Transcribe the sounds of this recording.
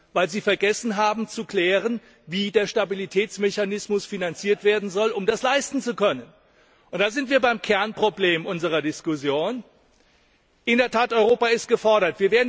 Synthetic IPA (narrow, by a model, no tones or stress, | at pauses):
vaɪlziːfɛɐɡɛsn̩ɦaːbm̩t͡sukl̥ɛːʁ̞ən | viːdeːɐʃtabilitʰɛːt͡smɛçanɪsmʊsfinant͡siːɐtv̥eːɐdn̩zɔlʔʊmdaslaɪstn̩t͡sukʰœnən | ʔʊnt̚d̥aːzɪntv̥iːɐbaɪmkʰɛɐnpʁ̥obleːmʔʊnzəʁ̞ɐdɪskʊsjoːn | ʔɪndɛɐtʰaːtʔɔʏʁoːpaɪst̚ɡ̥əfɔɐɾɐtv̥iːɐveːɐdn